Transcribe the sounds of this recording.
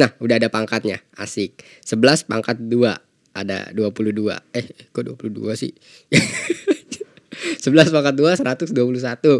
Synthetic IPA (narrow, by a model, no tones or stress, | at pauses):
nahudaadapaŋkat̪̚ɲa̰a̰sɪk̚ | səbəlaspa̰ŋkat̪̚dua | a̰da̰duapuludua̰ɛhkuduapuluhdṵasɪ̰ | səbəlaspaŋkat̪̚duasəɾat̪ʊsduapulusat̪u